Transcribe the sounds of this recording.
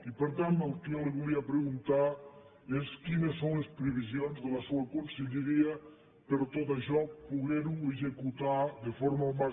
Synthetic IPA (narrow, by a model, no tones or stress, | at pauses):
ipeɾt̪ãnalˠkeleɣuliɐpɾeɣunt̪aɾ | eskinɐsːõw̃lespɾeβizjonzðəlɐsuɐkõnseʎeɾiɐ | peɾt̪oðɐʒɔk̚puɣeɾuezekut̪aɾðefɔɾmɐoma